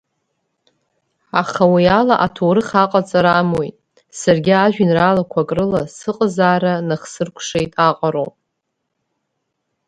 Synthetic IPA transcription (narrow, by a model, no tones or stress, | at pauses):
aχawialaʔatʰoɾɨχaqʼat͡sʼaɾamojtʼ | sarɡʲiaʒᶣɪnralakʷʰakʼrɨlasɨqʼzaːɾanaχsɨrkʷʰʂejtʼaqʼaɾo̰wpʼ